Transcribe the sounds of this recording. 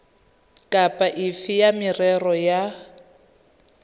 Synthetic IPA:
kʼapʼaʔɪfɪjamɪrɛrɔja

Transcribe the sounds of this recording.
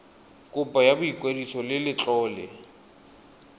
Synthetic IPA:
kʼʊpʼajabʊikʼwedisɔlɪlɪt͡ɬʼɔːlɛ

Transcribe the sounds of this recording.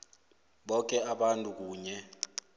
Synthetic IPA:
ɓɔk̬ʼɛaɓantʼuk̬uːɲɛ

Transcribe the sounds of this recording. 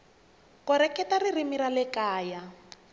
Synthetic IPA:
kɔɾɛkɛtaririmiɾalɛkaːja

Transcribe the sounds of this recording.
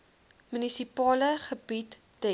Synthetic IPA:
mynisipɑːləχəbit | d̥ɛ

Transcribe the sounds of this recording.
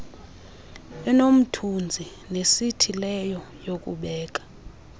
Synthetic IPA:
ɛnom̩tʰund͡zʱi | nesitʰilɛjɔjok̬ʼṵɓɛːk̬ʼḁ

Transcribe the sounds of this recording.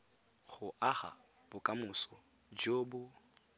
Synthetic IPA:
χʊʔaχa̰ | b̥ʊkʼamʊsɔ | d͡ʒoːbʊ

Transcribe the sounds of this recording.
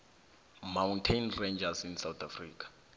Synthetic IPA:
mawntʰejnrend͡ʒasinsawt̪ʰafriːkʰḁ

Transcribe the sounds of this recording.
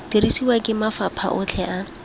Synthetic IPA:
tirisiwakʼɪmafapʰa̰ʔʊt͡ɬʰɛʔa

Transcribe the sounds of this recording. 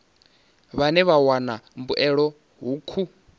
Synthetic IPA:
βanɛβawanambuʔɛɺɔ | ɦukʰu

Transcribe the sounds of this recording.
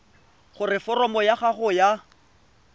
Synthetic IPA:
χʊrɪfɔrɔmɔjaχaχʊja

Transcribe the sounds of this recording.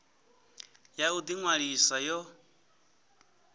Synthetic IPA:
jaud̪iŋwaɺisajɔ

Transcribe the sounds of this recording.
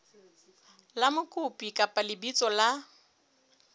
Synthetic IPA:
lamʊkʼʊpʼikʼapʼalɪbit͡sʼɔla

